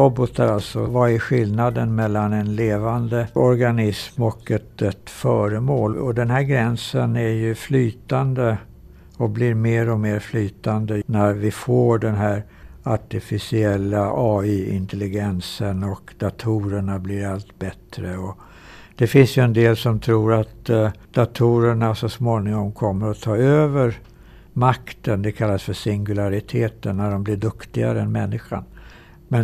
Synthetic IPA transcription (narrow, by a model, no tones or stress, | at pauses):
ɔbɔt̪əɾalt̪sɔ̰vaɪɧɪlnad̪ənmɛlːanɛnleːvand̪əɔɾɡanɪsmɔkɛt̪ɛt̪fœːɾəmoːlɔd̪ɛnɦæɾɡɾɛnsənæɾjɵflyːt̪and̪ə | ɔblɪɾmeːɾɔmeːɾflyːt̪and̪ənæɾvɪfoːɖɛnɦæːɾ | aʈɪfɪsɪɛlːaʔɑːyːɪ̰nt̪ʰɛlɪɡɛnsənɔkd̪at̪ʰuːɾəɳablɪɾalt̪bɛt̪ɾəɔ | d̪̥ɛfɪnsjɵɛnd̪eːlsɔmt̪ʰɾuːɾat̪d̪̥at̪ʰuːɾəɳasɔsmoːnɪŋɔmkʰɔmːəɾɔt̪ʰɑːøːvəɾ | makt̪ənd̪ɛkʰalːasfœʂɪŋɡɵlaɾɪt̪ʰeːt̪ənːæɖɔmblɪɖɵkt̪ɪɡa̰ɾəɛnmɛnːɪɧa̰n | mɛn